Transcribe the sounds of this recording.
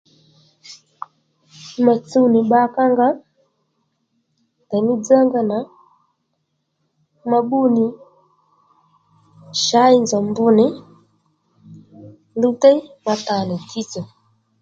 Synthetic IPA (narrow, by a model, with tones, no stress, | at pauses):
ma˨t͡su˦ni˨ɓa˦ka˦ŋɡa˦ | ta˨mi˦d͡za˦ŋɡa˨na˨ | ma˨ɓu˦ni˨ | ʃa˨˦i˨nza˨mbu˦nɛ˦ | lu˦tɛ˦ma˨ta˨nɛ˨tʰi˦t͡sɔ˨